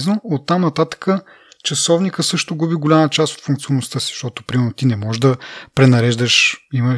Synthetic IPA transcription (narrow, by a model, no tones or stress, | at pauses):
znoot̪ːamnɐt̪at̪ə̥kə | t͡ʃɐsɔvnikəsɤʃt̪oɡubiɡolʲamət͡ʃast̪o̥t̪fuŋkt̪sionːost̪ɤsiz̥ʃt̪ɔt̪opɾimɛɾnot̪inɛmɔʒd̪ɐpɾɛnɐɾɛʒd̪əʃimə